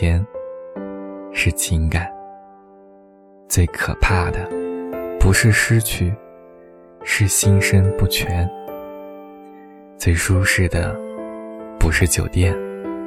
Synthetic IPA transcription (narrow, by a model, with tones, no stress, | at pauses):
ɛ˧˥n | ʂɻ̩˥˩t͡ɕʰi˧˥ŋka˨˩˦n | t͡swe˥˩ɪkʰɤ̰˨˩pʰa˥˩d̪ə˩pu˧˥ʂɻ̩˥˧ʂɻ̩˥t͡ɕʰy˥˩ | ʂɻ̩˥˩ɕi˥nʂə˥npu˥˩t͡ɕʰɥɛ˧˥n | t͡swe˥˩ɪʂu˥ʂɻ̩˥˩d̪ə̰˩ | pu˧˥ʂɻ̩˥˩t͡ɕjo˨˩ʊt̪jɛ˥˩n